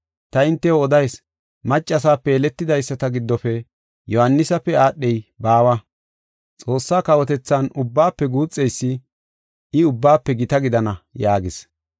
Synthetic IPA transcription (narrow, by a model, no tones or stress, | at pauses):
t̪ɐɪnt̪ːɛoɔd̪ɐjs | mɐt͡ʃʼːɐs̬aːpːɛːlɛt̪ːɪd̪ɐjsːɐt̪ɐɡɪd̪ːɔfɛ | jɔhɐnːɪsɐpːɛaːɗːɛjbaːwɐ | t͡sʼo̞ːsːaːkɐwɔt̪ɛt͡sːanʊbːaːpːɛɡuːt͡sʼːɛjsːɪ | ɪʊbːaːpːɛɡɪt̪ɐɡɪd̪ɐnɐjaːɡɪs